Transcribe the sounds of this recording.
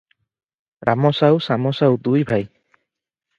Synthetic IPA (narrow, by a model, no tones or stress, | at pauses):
ɾʔamɔsawsamɔsawd̪ujbʱaj